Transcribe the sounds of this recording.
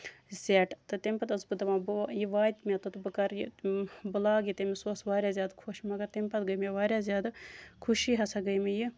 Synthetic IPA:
zʲeːʈt̪ɨt̪emʲpɐt̪ɐsbɨd̪ɐmabjiʋaːt̪ʲmʲat̪ot̪ɨbɨkɐɾjibɨlaːɡit̪emisoːsʋaːɾʲjaːzʲjaːd̪kʰoʃmɐɡɐɾt̪emʲpɐt̪ɡɐjmeʋaːɾʲjaːzʲjaːd̪kʰuʃiɦɐsʰɐɡɐjmiji

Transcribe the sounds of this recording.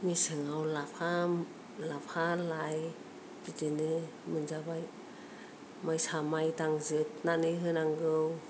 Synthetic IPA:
misɯŋawlapʰa | lapʰalaj | bidinɯ | mɯnzabaj | majsamajtaŋzɯt̚nanɯɦɯnaŋɡɯw

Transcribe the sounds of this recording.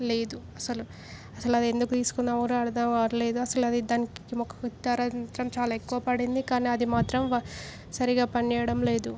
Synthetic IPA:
le̞ːd̪uɐsɐlu | ɐsɐluɐd̪ie̞nd̪ukut̪iːsu̥kunːaːmɐɾuɐɽɐd̪ɐmɐɾle̞ːd̪uɐsɐluɐd̪id̪aːnikkimɔkːɐit̪ːaːɾɐt̪ɾɐmt͡ʃaːlaːekːuʋɐpɐɽind̪ikaːniːɐd̪imaːt̪ɾɐm | sɐɾiɡaːpɐniɛːjɐɽɐmle̞ːd̪u

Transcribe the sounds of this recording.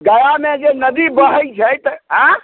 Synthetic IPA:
ɡəjamed͡ʒenəd̪ibəɦət͡ʃʰəjt̪əɦə̃

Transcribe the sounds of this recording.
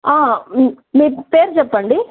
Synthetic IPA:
aː | mipeːɾd͡ʒɐpːɐɳɖi

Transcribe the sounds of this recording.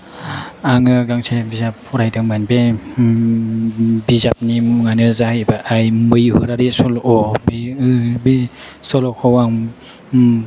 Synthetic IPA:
aŋɯɡaŋsʰebizap̚huɾajtɯŋmanbe | bizap̚nimŋanɯzahibaʔajmɯjhɯɾaɾisɔlɔbiɯbi | sɔlokʰɔwaŋ

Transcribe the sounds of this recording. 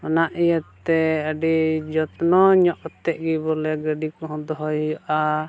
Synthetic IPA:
ɔnaʔijət̪ːɛəɖid͡ʒɔt̪nɔɲɔʔɔt̪ɛʔ̚ɡibɔlɛɡəɖikɔɦɔ̃d̪ɔɦɔjjɔʔa

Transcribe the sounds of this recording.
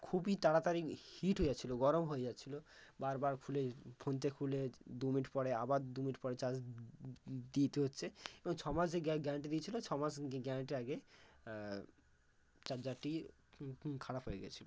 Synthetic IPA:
kʰubitaɽat̪aɾihiʈɦoeat͡ɕʰiloɡɔɾomɦoed͡ʑatːt͡ɕʰilobaɾbaɾkʰulepʰont̪̬ekʰuled̪umiʈpɔɽeabaɾd̪umiʈpɔɽet͡ɕad͡ʑ | d̪it̪eɦotːɕʰeebɔŋt͡ɕʰɔmad͡ʑeɡɡɛ̃ʈid̪iet͡ɕʰilot͡ɕʰɔmad͡ʑɡɛʈiaɡe | t͡ɕad͡ʑaʈi | kʰaɽapɦojḛɡɛ̰t͡ɕʰilo

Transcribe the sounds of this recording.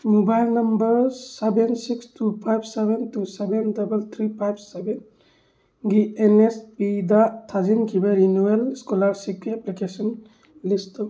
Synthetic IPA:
mubajlnɐmbɐɾsebensikstʰupʰajbʱsebentusebendɐbelt̪ʰɾipʰajbʱseben | ɡienespidatʰazinkʰibeɾinuelskɔlaɾsikiɛplikesɔn | list

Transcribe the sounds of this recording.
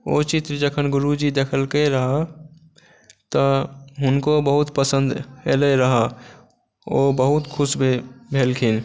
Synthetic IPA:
oːt͡ʃit̪ɾd͡ʒəkʰənɡʊɾud͡ʒid̪eːkʰəlkeɾəɦa | t̪əɦʊnkobəɦʊt̪pəsənd̪eleɾəɦa | oːbəɦʊt̪kʰʊsbʱebʱeːlkʰɪn

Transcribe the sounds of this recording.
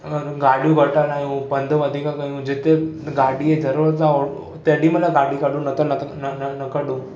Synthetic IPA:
ɡaɽjũɡəʈaɾnajũpənd̪ʱəʋəd̪ʱikakaɦjũd͡ʑet̪eɡaɽiːed͡zʱəɾʋəɾt͡sao | t̪eɽiməlaɡaɽiːkaɽũnət̪ənənnənəkəɽũː

